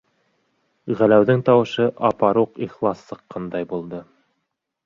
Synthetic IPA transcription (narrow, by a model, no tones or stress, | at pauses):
ʁælæwðɘŋt̪ɑwɤ̆ʃɤʔɑpɑɾuqiχlˠɑsːɤ̆qːɑnd̪ɑjbulˠd̪ɤ